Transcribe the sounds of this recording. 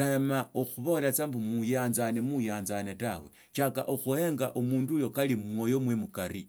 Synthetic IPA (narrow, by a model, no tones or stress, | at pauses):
amaoxuβo̞lat͡sambumujaːnzanemujaːnzanetawe̞̰ | t͡ʃaka̰ʔoxuheːŋɡaʔomuːndujo̞kalimŋojo̞mwemukaɾi